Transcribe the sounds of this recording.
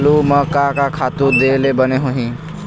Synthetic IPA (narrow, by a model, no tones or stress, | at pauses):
luməkakakʰat̪uɾd̪elebəneɦũɦĩ